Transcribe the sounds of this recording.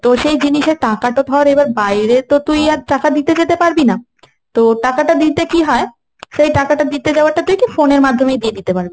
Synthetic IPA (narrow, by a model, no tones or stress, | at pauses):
t̪oʃejd͡ʑiniʃeɾʈakaʈod̪ʱɔɾebaɾbajɾet̪ot̪ujadʈakad̪it̪ed͡ʑet̪epaɾbina | t̪oʈakaʈad̪it̪ekiɦɔe | ʃejʈakaʈad̪it̪ed͡ʑaoaɾʈat̪ujkifoneɾmad̪ʱːomejd̪ied̪it̪epaɾbe